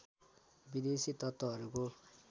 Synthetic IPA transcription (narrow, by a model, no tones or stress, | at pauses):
bid̪esit̪ʌt̪ːʌɦʌɾuko